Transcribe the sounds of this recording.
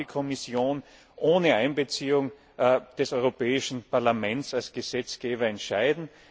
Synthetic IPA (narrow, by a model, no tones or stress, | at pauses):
ikʰɔmɪsjoːn | ʔoːnəaɪnbət͡siːʊŋ | d̥ɛsɔʏʁopɛːɪʃn̩pʰaɐlamɛ̃ntsalsɡ̥əz̥ɛt͡sɡ̥eːbɐɛntʃaɪdn̩